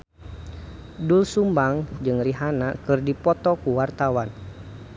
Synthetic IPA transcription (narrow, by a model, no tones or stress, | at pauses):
dulsumbaŋd͡ʒɨŋriɦanakɨrdipɔt̪ɔkuwart̪awan